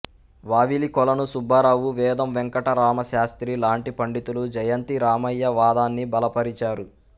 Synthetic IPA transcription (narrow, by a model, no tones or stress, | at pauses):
ʋaːʋilikɔlɐnusubʱːaːɾaːʋuʋɛːd̪ɐmʋɛŋkɐʈɐɾaːmɐʃaːst̪ɾilaːɳʈipɐɳɖit̪ulud͡ʒɐjɐnt̪iɾaːmɐjːɐʋaːd̪aːnːibɐlɐpɐɾit͡ʃaːɾu